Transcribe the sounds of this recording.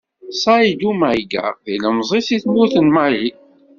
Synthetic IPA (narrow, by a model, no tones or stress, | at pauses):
sˤɑid̪umaɡə̰θiləmzˤisiθnuθənmali